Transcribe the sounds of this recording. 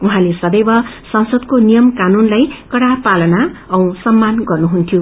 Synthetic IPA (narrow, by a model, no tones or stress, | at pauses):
uɦãlesʌb̪ejbʌ | sʌnsʌd̪konijʌmkanunlajkʌɽapalʌnaʌ̃w̃sʌmːanɡʌrnuɦunt̪ʰjo